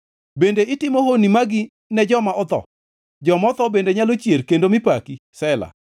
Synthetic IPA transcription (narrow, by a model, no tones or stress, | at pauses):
bendeɪtɪmoɦonimaɡɪ | nɛd͡ʒɔmaʔɔt̪ɔ̰ | d͡ʒɔmɔt̪ɔbendeɲalot͡ʃjerkendomɪpakisɛla̰